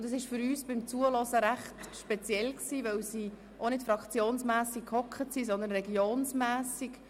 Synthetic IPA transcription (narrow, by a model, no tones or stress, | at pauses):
ʊndɑsɪʃfʏɾyːsb̥ɪmt͡suəlɔsəɾæχtʃpɛt͡sjɛlksiːʋœwsiː | ʔonɪtfɾɑkχt͡sjoːnsmæːsikkʰhɔkχətsisɔnd̪ənɾɛɡjoːnsmæːsik